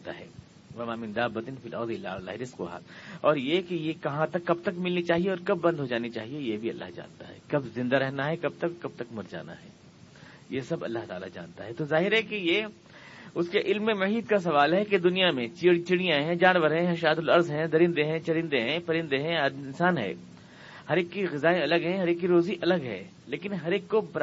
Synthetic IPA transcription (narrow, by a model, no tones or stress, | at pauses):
t̪a̰ɦɛ̰ː | ʋɐmaːmɪ̃nd̪aːbːɐt̪ɪnfilʔɐːd̪ɪla̰ːlaːɦɪɾɪsqʊɦa̰ːɔːɾjekejekɐɦãt̪ɐkːɐb̚t̪ɐkmɪlnit͡ʃaːɦieɔːɾkɐbːɐ̃nd̪ʱɦod͡ʒaːnit͡ʃaːɦiejebʱiɐ̰lːa̰ɦd͡ʒa̰ːnt̪a̰ɦɛ̰ːkɐbzɪ̃nd̪aɾɛɦnaɦɛkɐb̚t̪ɐkːɐb̚t̪ɐkmɐɾd͡ʒa̰ːna̰ɦɛ̰ː | jesɐbɐ̰lːaɦt̪a̰ːla̰d͡ʒa̰ːnt̪aɦɛt̪ozaːɦɪɾɦɛkeje | ʊskeʔɪlmːẽmɐɦiːd̪kas̬ɐʋaːlɦɛked̪ʊnijamẽt͡ʃɽt͡ʃɪɽijãɦɛ̃d͡ʒaːnʋəɾɦɛ̃ɦɐʃ̬aːt̪ʊlɐɾzɦɛ̃d̪ɐɾɪ̃nd̪eɦɛ̃t͡ʃɐɾɪ̃nd̪eɦɛ̃pɐɾɪ̃nd̪eɦɛ̃aːd̪ɪnsaːnɦɛ̰ː | hɐɾeːkːiɣɪzaːẽɐləɡɦɛ̃ɦɐɾeːkːiɾoːziʔɐləɡɦɛ̰ː | leːkɪnɦɐɾeːkːobɾ